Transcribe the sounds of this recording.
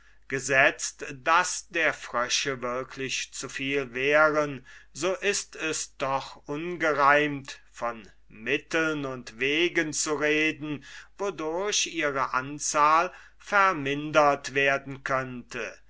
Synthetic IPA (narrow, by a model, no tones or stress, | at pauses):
ɡ̥əzɛt͡std̥asd̥eːɐfʁ̥œʃəvɪɐkʰlɪçt͡sufiːlvɛːʁənzoːʔɪstɛsd̥ɔχʔʊnɡəʁaɪmtfɔn | mɪtl̩nʊntv̥eːɡənt͡suʁeːdn̩vodʊɐɕiːʁəʔant͡saːl | fɛɐmɪndɐtv̥eːɐdn̩kʰœntʰə